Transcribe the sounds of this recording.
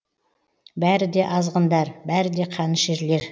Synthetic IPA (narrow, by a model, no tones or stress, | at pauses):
bæɾɪd̪e̞ʔɑzʁənd̪ɑɾbæɾɪd̪e̞qʰɑnəʃeɾle̞ɾ